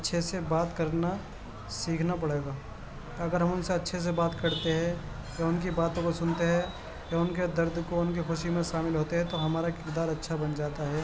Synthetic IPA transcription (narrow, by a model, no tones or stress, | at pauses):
ɐtːʃʰesebaːt̪kɐɾna | siːkʰnap̬ɐɽeːɡaː | ɐɡəɾɦɐmʊnseɐtːʃʰes̬ebaːt̪kɐɾt̪eɦɛ̃ | jaʊnk̬ibaːt̪õkosʊnt̪eɦɛ̃ | jaʊnked̪ɐɾd̪koʊnkixʊʃimẽʃaːmɪlɦoːt̪eɦɛ̃t̪oɦɐmaːɾakɪkd̪aːɾɐtːʃʰabɐnd͡ʒaːt̪aɦɛː